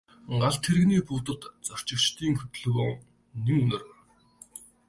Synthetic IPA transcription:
ɴɢaɮt̪ʰːeɾ̆ɣniːpuːt̪ə̆t̪t͡sar̥t͡ɕɪ̆kt͡ɕt̪ʰiːŋxɵ̥t̪ɵ̆ɮɣoːŋ | neŋɵnɵ̆r̆

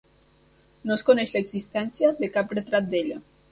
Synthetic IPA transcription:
noskonɛʃlaeɡzist̪ɛnsjaðekapret̪ɾat̪̚d̪eʎa

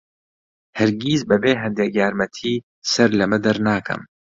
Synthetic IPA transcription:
hɐɾɡiːzbɐbeːɦɐnd̪eːkjaːɾmɐt̪ʰiː | sɐɾlɐmɨd̪ɐɾnaːkʰɐ̰m

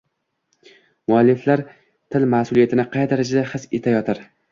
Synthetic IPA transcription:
mʊalːɪflaɾ | t̪ʰɪlmahsʊlˠijat̪ʰɪnɪqʰɑjd̪aɾad͡ʒad̪ahɨse̞t̪ʰajɒt̪ʰaɾ

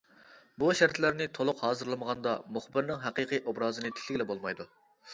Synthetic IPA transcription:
buʃæɾt̪ʰlæɾnɪt̪ʰolˠʊqhɑːzɨɾlˠɨməʁɑnd̪ɑmuχbɪɾnɪŋɦæqiqɨjʔobɾɑːzɨnɨt̪ʰɪ̥k̪ʰʲlɪɡʲlɛbolˠmɑjd̪u

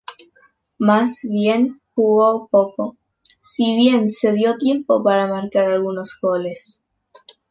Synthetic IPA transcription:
mazβje̞nxuɣopo̞ko̞ | siβje̞nse̞ðjo̞t̪je̞mpo̞paɾamaɾkaɾalɣuno̞zɣo̞le̞s

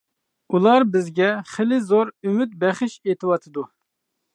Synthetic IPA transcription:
ulˠɑɾbɪzɡʲɛχelɪzoɾymyt̪̚bɛχɪʃet̪ʰɨwɑt̪ʰɨd̪u

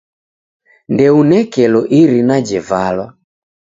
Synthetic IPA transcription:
ndɛunɛkɛlɔʔiɾinad͡ʒɛvalwa

